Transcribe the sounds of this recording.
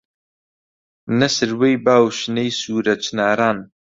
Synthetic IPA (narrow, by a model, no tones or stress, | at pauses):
nɐsɨɾwejbaːwʃnejsuːɾɐt͡ʃʰnaːɾaːn